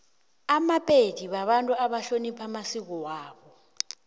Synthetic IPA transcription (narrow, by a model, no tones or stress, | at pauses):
amapʼed̥ʱiɓaɓantʼuaɓaɬonipʰamasik̬ɔwaːɓɔ